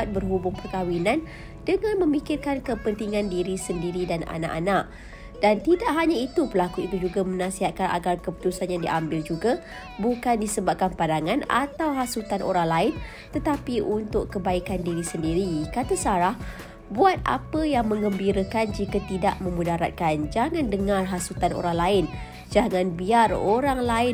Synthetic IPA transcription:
at̪̚bərɦubʊŋpərkawinan | dəŋãnmə̃mikɪrkankəpənt̪iŋandiɾisəndiɾidana̰na̰ʔanaʔ | d̥ant̪idaʔɦaɲait̪upəlakuit̪ud͡ʒuɡamənãsiɦat̪̚kana̰ɡarkəpu̥t̪usanjaŋdiʔambɪld͡ʒuɡa | bukandisəbap̚kanpadaŋana̰t̪awɦasut̪anʔo̰ɾaŋlaɪn | t̪ət̪apiʔunt̪ʊʔkəbaikandiɾisəndiɾikat̪asaɾah | buat̪̚ʔa̰pəjaŋmə̃ŋəmbiɾəkand͡ʒikat̪ida̰ʔmə̃mudaɾat̪̚kand͡ʒaŋãndəŋarɦasut̪ano̰ɾaŋlaɪn | d͡ʒaŋãnbiaroɾaŋlaɪ

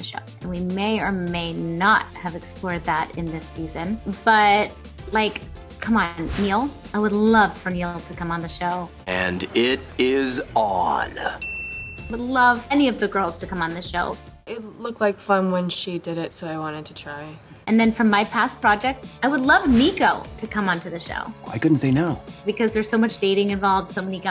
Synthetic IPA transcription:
ðɨʃo̰ʊʔɨ̃nwimeɪə˞meɪnət̚hɨvɨksplɔɹd̪̚ðæɾɨ̰̃nðɪsizɨ̃nb̥ʌt̚ | laɪkʰ | ʌ̃mə̃nmilˠaɪwədˡlʌv̥fə˞nillˠtʰɨkʰʌ̃mə̃nðɨʃoʊ | ɨ̃nɪɾɪz | n | aɪwədˡlʌv̥ɛniʌvðɨɡɜ˞lˠz̥tʰɨkʰʌ̃mə̃nðɨʃoʊ | ɪtlʊk̚tlaɪkfʌ̃nwɨ̃nʃidɪɾɪtsoʊaɪwɑ̃ɾ̃ɨd̚tʰɨtʰɹ̥aɪ | ʔɨ̃nðɨ̃nfɹʌ̃mːaɪpʰæspʰɹ̥ɑd͡ʒɛk̚tsaɪwədˡlʌvmiɡoʊtʰɨkʰʌ̃mə̃ntʰɨðɨʃo̰ʊʔa̰ɪkʊdⁿn̩tseɪnoʊb̥ɨkʰʌzðə˞z̥soʊmʌt͡ʃd̥eɪɾɪ̃ŋɨ̃ɱvɑlˠvd̥soʊmɛniɡa

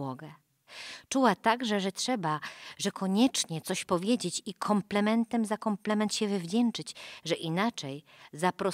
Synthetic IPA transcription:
ɔɡɛ | t͡ʂuwat̪aɡʐɛʐɛtʂɛbaʐɛkʰɔɲɛt͡ʂɲɛt̪sɔɕpɔvʲjed͡ʑet͡ɕikʰɔmplɛmɛnt̪ɛmzakɔmplɛmɛnt̪ɕɛvɘvd͡ʑɛnt͡ʂɘt͡ɕʐɛʔinat͡ʂɛj | zapɾɔ

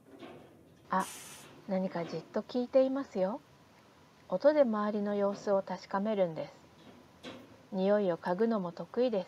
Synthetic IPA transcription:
anaɲ̟ikad͡ʑɨt̪ːo̞kʲiːt̪e̞imasɨjo̞ | ot̪o̞d̪e̞maβaɾʲino̞jo̞ːsɨo̞t̪aɕi̥kame̞ɾɯ̟̃nd̪e̞sɨ̥ | ɲ̟ijo̞io̞kaɡɯ̟no̞mo̞t̪o̞kɯ̟id̪e̞sɨ̥

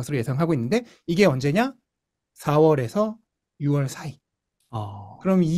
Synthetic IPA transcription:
ʌsʰɯɾoje̞sʰaŋɦaɡoinːɯnde̞ | iɡe̞ʌnd͡ʑe̞ɲa | sʰawʌɾe̞sʰʌ | juwʌɭsʰai | kɯɾʌmi

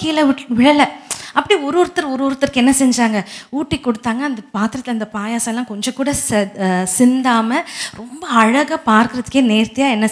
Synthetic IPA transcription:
kiːlɐɪʋɪɻɐlɐʔɐpːɐɽiɔɾɯɔɾt̪ːɪɾɔɾɯʋɾt̪ːɪɾkɛnːɐsɛɲd͡ʒaːŋɡɐuːʈːikːɔɽɯt̪ːaːŋɡɐːnd̪ɐpaːt̪ɪɾɐt̪ːɪlɐnd̪ɐpaːjaːsɐ̃lːãːkɔɲd͡ʒɐ̃kuːɽɐssɪnd̪aːmɐɾɔmbɐɐɻɐɣɐpaːɾkɪɾɐðɯkːeːneːɾt̪ːɪjaːɛnːɐ

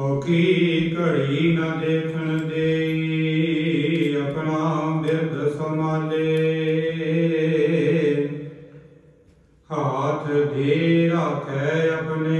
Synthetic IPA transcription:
oːkikəɽiːnaːd̪eːkʰənd̪eː | əpɳaːd̪ɪɾd̪səmãːleː | hat̪ʰd̪eːɾaːkʰɛːəpneː

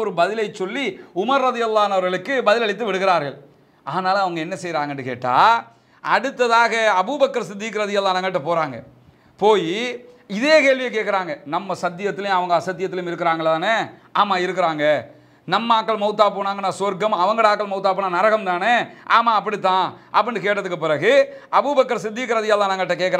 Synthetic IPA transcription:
ɔɾɯbɐðɪlɐɪt͡ʃːɔlːiʊmɐɾːɐðɪjɐlˠːaːɐnɐʋɐɾɣɐɭɯkːɯbɐðɪlɐɽɪt̪ːɯʋɪɽɯɣɪɾaːɾɣɐɭ | aːnaːlɐɐʋɐŋɡɐɛnːɐsɛjɾaːŋɡɐɳɖɯkḛːʈːa̰ː | ɐɽɯt̪ːɐðaːɣɐɐbubɐkːɐɾsɪd̪ːiːkɾɐðɪjɐlːaːnɐŋɡɐʈ̬ːɐpoːɾaːŋɡɐ̰ | poːji | ɪðeːkeːɭʋɪjɐk̬ːeːʈkɪɾaːŋɡɐnɐmːɐsɐt̪ːɪjɐt̪ːɪlj̃ɐʋɐŋɡɐɐsɐt̪ːɪjɐt̪ːɪljʊmɪɾɯkːɪɾaːŋɡɐɭt̪ãːneːaːmaːɪɾɯkːɪɾaːŋɡɐ | nɐmːɐaːkːɐɭmɐʊt̪ːaːpoːnaːŋɡɐnːãːsoɾkɐmɐʋɐŋɡɐɽaːkːɐɭmɐʊt̪̬ːaːpoːnaːnɐɾɐɣɐmt̪aːneaːmaːɐp̬ːɐɽit̪ːãːʔɐpːɐɳɖɯkeːʈːɐðɯkːɯpɪɾɐɣɯɐbubɐkːɐɾsɪd̪ːikːɪɾɐðɪjɐːlãːnaːŋɡɐʈːɐkeːʈkːɐɾ

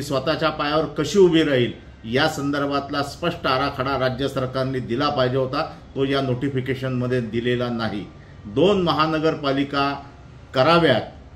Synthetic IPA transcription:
sʋət̪at͡ɕjapajaʋəɾkəɕiːubʱiɾaɦiːl | jasənd̪əɾbʱat̪laspəʂʈəaɾakʰaɽaɾad͡ʑjəsəɾkaɾniːd̪ilapaɦd͡ʑeɦot̪at̪ojanoʈifikeɕənməd̪ʱːjed̪ilelanaɦḭ | d̪onməɦanəɡəɾpalika | kəɾaʋjat̪̚

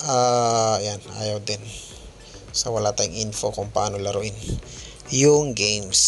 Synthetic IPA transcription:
ʔaːjanʔa̰ːjawd̪ɪn | sɐwɐlat̪ajʊ̰ŋʔinfokʊŋpɐʔaːnolɐɾʊʔɪn | jʊŋɡejms

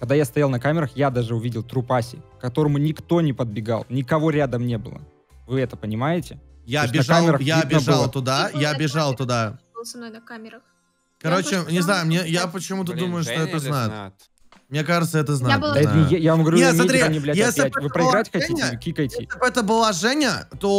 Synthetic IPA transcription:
kɐɡ̚d̪ajast̪ɐjalˠnɐkamʲɪɾəxjad̪aʐɨʊvʲidʲɪlˠt̪ɾʊpasʲɪ̰kɐt̪o̞ɾəmʊnʲɪkt̪o̞nʲɪpəd̪̚bʲɪɡa̰lˠnʲɪkɐvo̞ɾʲad̪əmnʲe̞bɨ̰lˠə̰ | vɨɛt̪əpənʲɪmajɪtʲɪ | jaɐbʲɪnɐkamʲɪɾəxjaɐb̪ʲbalˠt̪ʊd̪ajaɐbʲɪʐalˠt̪ʊd̪alˠsɪmnojnɐkamʲɪɾəx | kɐɾo̞t͡ɕɪnʲɪznajʊmnʲejapət͡ɕɪmut̪̬əd̪uməjʊʂt̪oɛt̪əznajʊt̪ | mnʲekaʐɨt̪səɛt̪əznaɨjavamɡəvɐɾʲunet̪smʲɐned̪ɾʲejnʲɪblʲjesʲllʲɪtʲvɨpɾəɪɾatʲxɐtʲitʲɪkʲikəjtʲɪɪbɛt̪əbɨlˠaʐɛnʲɪət̪o

